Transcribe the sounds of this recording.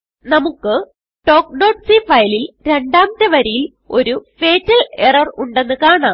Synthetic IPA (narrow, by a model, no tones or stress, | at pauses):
nɐmukːɨ | ʈo̞ːk̚ɖoːʈsifɐjlilɾe̞ɳɖaːmt̪ːɐʋɐɾijil | o̞ɾufe̞ːtːɐlerɐruɳɖe̞nːɨkaːɳaːm